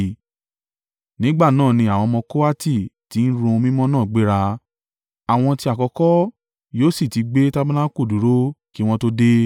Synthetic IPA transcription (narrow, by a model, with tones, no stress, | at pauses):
nĩ˨˦ɡ͡ba˦˨nãː˦˨nĩ˧a˨w̃ɔ̃˧mɔ̃˧ko˦a˦ti˦˨ti˨˦n̩˦ɾũ˧mĩ˦mɔ̃˦nãː˦˨ɡ͡be˦ɾa˧ | a˨w̃ɔ̃˧ti˧a˨kɔ˧kɔ˦ | joː˦si˦˨ti˧ɡ͡be˦ta˦bã˦na˦ko˦˨du˨ɾo˦ki˦w̃ɔ̃˦to˦de˦